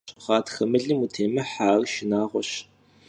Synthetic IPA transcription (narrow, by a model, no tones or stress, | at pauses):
χɑːtxɐmɨɮɨmutʰeːmɐħaːrʃɪnaːʁʷɔɕ